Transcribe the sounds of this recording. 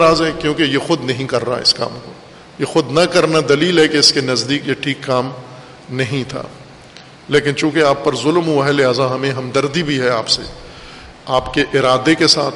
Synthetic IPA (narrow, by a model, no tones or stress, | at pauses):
ɾaːzɦɛkjõːkejexʊd̪nɐɦĩkɐɾːaɦa̰ɪ̰ska̰ːmko | jexʊd̪nɐkɐɾnad̪ɐliːlɦɛkeɪskenɐzd̪iːkjeʈʰiːkːaːm | nɐɦĩt̪ʰa̰ː | leːkɪnt͡ʃũːkeaːpːɐɾzʊlmɦuaɦɛlɪɦaːzaɦɐmẽɦɐmd̪ɐɾd̪ibʱiɦɛaːpsḛ | aːpkeʔɪɾaːd̪ekesa̰ːt̪ʰ